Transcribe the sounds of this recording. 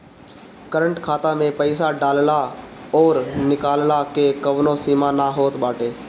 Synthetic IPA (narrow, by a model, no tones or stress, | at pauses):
kəɾə̃ɳʈkʰaːt̪ãmẽpəɪsaɖaːllaɔːɾnɪkaːllakekəʋnõsiːmanaɦoːt̪baːʈʰeː